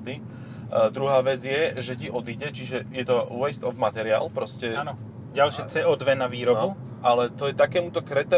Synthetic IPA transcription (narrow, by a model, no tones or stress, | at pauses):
t̪i | d̪ɾuɦaːʋɛd͡zɪjɛʒɛciʔɔd̪iɟɛt͡ʃiʒɛjɛt̪ɔwɛst̪ɔvmat̪ɛɾɪa̰ːlpɾɔscɛnɔ | ɟalʃɪɛt͡sɛːʔɔːd̪ʋɛnaʋiːɾɔbu | ʔalɛt̪ɔjɛt̪akɛːmut̪ɔkɾɛt̪ɛ